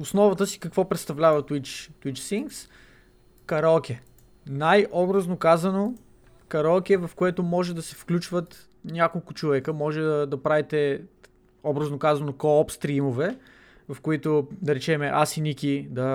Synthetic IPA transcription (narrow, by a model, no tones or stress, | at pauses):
ʊsnɔvɐt̪əsi̥kɐkvɔpɾɛt̪st̪ɐvlʲavɐt̪wit͡ʃt̪wit͡ʃsiŋks | kɐɾɔlˠkʲɛ | najʔɔbɾəznokazɐno | kɐɾɔlˠkʲɛvɐfkoɛt̪ʊmɔʒɛd̪ɐsɛfklʲut͡ʃvət̪ | nʲakolˠkʊt͡ʃovɛkəmɔʒɛd̪ɐd̪ɐpɾavit̪ɛ | ɔbɾɐznokazɐnokopst̪ɾimovɛ | vɐfkoit̪od̪ɐɾɛt͡ʃɛmɛʔasinikʲid̪ɐ